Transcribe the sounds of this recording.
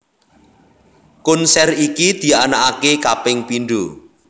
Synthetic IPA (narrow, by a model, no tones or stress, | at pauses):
kunsɛrikid̪̥i̤anaʔakekapɪŋpinɖo